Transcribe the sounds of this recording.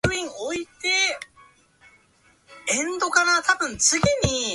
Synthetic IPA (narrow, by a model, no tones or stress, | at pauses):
ɯ̟ĩŋoit̪e̞ | ẽ̞nd̪o̞kanat̪abɯ̟̃nt͡sɨɡʲiɲ̟i